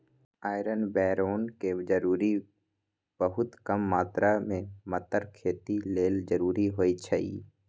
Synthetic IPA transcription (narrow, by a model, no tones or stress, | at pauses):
aːɪɾənbɛːɾoːnked͡ʒəɾuːɾi | b̥əɦʊt̪kəmːaːt̪ɾamẽmət̪əɾkʰeːt̪ileːld͡ʒəɾuːɾiɦoːit͡ʃʰaḭː